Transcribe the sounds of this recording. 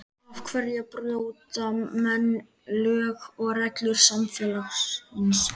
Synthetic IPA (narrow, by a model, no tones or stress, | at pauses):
av̥kʰvɛɾjapɾðoaut̪amɛnː | lœːɣɔɣrɛklʏɾ̥samfjɛːlaxshɪns